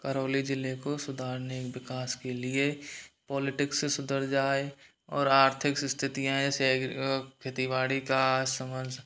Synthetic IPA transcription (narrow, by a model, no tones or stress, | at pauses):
kəɾoːlid͡ʒɪlekosʊd̪ʱaːɾnekwɪkaːskelɪepɔːlɪʈɪksesʊd̪əɾd͡ʒaːe | ɔ̰ːɾaːɾt̪ʰɪksst̪ʰɪt̪ijãɦɛ̃ɛsekʰet̪iʋaːɽikasəməɾd͡ʒʱ